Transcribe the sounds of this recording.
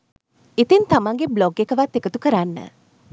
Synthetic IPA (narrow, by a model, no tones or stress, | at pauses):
it̪int̪amaŋɡebloɡekəʋat̪ːekət̪ukəɾanːə̰